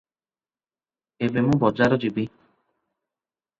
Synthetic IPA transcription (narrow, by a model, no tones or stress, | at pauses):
ebemũbɔd͡ʒaɾɔd͡ʒibi